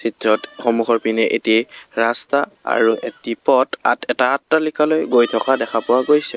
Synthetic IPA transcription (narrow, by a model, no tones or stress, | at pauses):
sitɹɔtxɔmuxɔɹpinɛʔḛtiɹastaa̰ɹuʔetipɔta̰tʰɛtaatːalikalojɡojtʰɔkadɛxʰapʊwaɡojsɛ